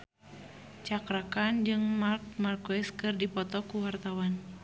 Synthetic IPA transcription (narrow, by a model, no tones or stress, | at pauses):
t͡ʃakɾakand͡ʒɨŋmark̚markwɛskɨrdipɔt̪ɔkuwart̪awan